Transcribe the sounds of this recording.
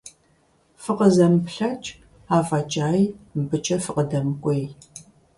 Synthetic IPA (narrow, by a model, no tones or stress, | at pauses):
fɨqəzɐmpɬɐt͡ʃʼ | aːfɐt͡ʃʼaːjmbɨt͡ʃʼɐfɨqədɐmkʷʼej